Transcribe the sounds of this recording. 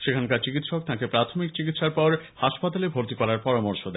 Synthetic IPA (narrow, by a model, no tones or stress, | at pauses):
ʃekʰankaɾt͡ɕikit̪ʃɔk̚t̪ãkepɾat̪ʰomik̚t͡ɕikit̪ʃaɾpɔɾhaʃpat̪alebʱoɾt̪ikɔɾaɾpɔɾamoɾʃod̪ɛ